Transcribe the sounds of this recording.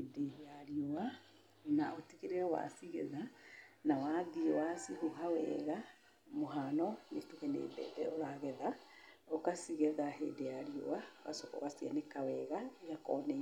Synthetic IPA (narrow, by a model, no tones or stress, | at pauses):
edejaɾioa | naotiɣeɾeɔwa̰siɣḛðanawaðiwasioɦawɛ̰ɣa | moɦanɔnetuɣɛnḛːbɛ̰ðɛoɾaɣɛða | okasiɣɛðaɦḛːdejaɾio̰waɣa̰sokɔ̰wasianekawɛɣaijakɔnɛ